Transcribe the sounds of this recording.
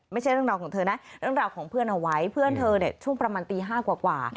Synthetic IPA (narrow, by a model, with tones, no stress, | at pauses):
ma˥˩jt͡ɕʰjɾɯ˥˩ŋɾaː˧wkʰɔː˩˦ŋt̪ʰɤː˧na˦˥ɾɯ˥˩əŋɾaː˨˩wkʰɔː˩˦ŋpʰɯ˥˩ənʔa˧wa˦˥jpʰɯ˥˩ənt̪ʰɤː˧ni˥˩ət͡ɕʰu˥˩ŋpɾa˧maː˧nt̪iː˧ɦaː˥˩kwaː˨˩kwaː˨˩